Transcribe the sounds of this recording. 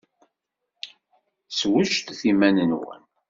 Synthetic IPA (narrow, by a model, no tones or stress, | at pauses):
swəʃt̪θimænənwə̰n